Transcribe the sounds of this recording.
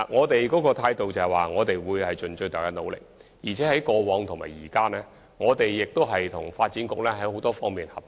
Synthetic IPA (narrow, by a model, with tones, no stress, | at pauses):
ŋɔː˨˧t̪e˨jkɔː˨˥kɔː˧t̪ʰaː˧jt̪o˨wt͡sɐ˨˧hɐ˨˩waː˨ŋɔː˨˧t̪e˨jwuː˨˧jhɐ˨jt͡sɵ˨nt͡ʃɵ˧ɥt̪aː˨˩kaː˧˥no˨˧wlɪ̰˨k̚jiː˨˩t͡sʰɛː˨˥hɐ˨˥jkɔː˧wɔː˨˥ŋt̪ʰʊ˨ŋmaː˨˩jiː˨˩kaː˥nɛː˥ | ŋɔː˨˧t̪e˨jːɪ˨k̚t̪o˥wɦɐ˨jt̪ʰʊ˨˩ŋfaː˧t̚t͡siː˨˥nkʊ˧k̚lɛː˥hɐ˨˥jho˨˥wt̪ɔː˥fɔː˥ŋmiː˨nhɐ˨˩p̚